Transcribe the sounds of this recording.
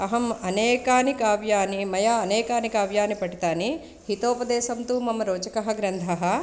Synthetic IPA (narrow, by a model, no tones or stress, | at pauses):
ɐɦɐmɐneːkaːnikaːʋjaːnimɐjaːɐneːkaːnikaːʋjaːnipɐɽit̪aːni | hit̪oːpɐd̪ɛːsɐmt̪uːmɐmɐɾoːt͡ʃɐkɐɦɐ̆ɡɾɐnd̪ʱɐɦɐ